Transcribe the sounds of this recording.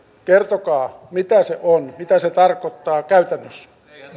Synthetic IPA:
kert̪okɑːmit̪æseʔonmit̪æset̪ɑrkot̪ːɑːkæyt̪ænːøs

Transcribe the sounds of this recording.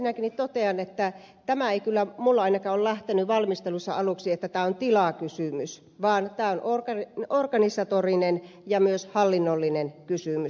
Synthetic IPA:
minækinːiːt̪t̪ot̪eɑnet̪ːæ | t̪æmæeikylːæmulːɑɑinɑkɑːollæht̪enyʋɑlmist̪elusːɑ̰ɑluksiet̪ːæt̪æːont̪ilɑkysymys | ʋɑːnt̪æːonʔorkɑorkɑnisɑt̪orinen | jɑmyøshɑlːinːolːinenkysymys

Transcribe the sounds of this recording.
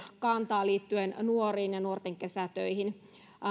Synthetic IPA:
kɑnt̪ɑːliːt̪ːyennuoriːnjɑnuort̪eŋkesæt̪ø̰ihin

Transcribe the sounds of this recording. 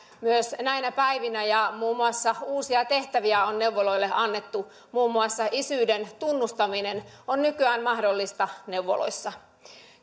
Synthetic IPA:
myøsnæinæpæiʋinæjɑmuːmːuɑsːɑuːsiɑt̪eht̪æʋiæonnewʋːoloilːeʔɑnːe̞t̪ːu | muːmːuɑsːɑʔisyːdent̪unːust̪ɑminen | onnykyæːnmɑhdolːist̪ɑneuwʋːo̰lo̰isːɑ

